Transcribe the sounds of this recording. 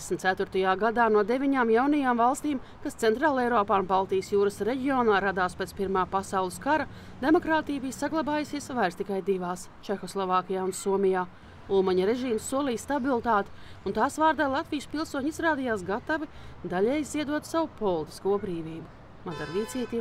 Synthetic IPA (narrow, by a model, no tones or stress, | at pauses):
esmt̪sæt̪vʊɾt̪ajaːɡad̪aːnuɔd̪evʲiɲaːmjawnajaːmvalˠst̪iːm | kast̪sɛnt̪ɾaːlˠejɾɔːpaːunbalˠt̪ijəsjuːɾəsɾeɟʲiɔːnaːɾad̪aːspeːt̪piɾmaːpasawlˠɨskaɾɐ | d̪e̞mɔkɾaːt̪ijbiːjsaɡlˠabaːjusiɛsvajɾst̪ikajd̪ivaːs | t͡ʃexɔslˠɔvaːkʲijaːunsuɔmʲijaː | ulˠmaɲɐɾeʒiːmsːuɔliːjst̪abilˠt̪aːt̪ɪ̥unt̪aːsvaːɾd̪aːlˠat̪vijspilˠsuɔɲizɾaːd̪ijaːs̬ɡat̪avid̪aʎʲɛːjzziɛd̪uɔt̪savupɔlˠt̪i̥skuːbɾiːviːbu | mad̪aɾlʲiːt̪siːt̪i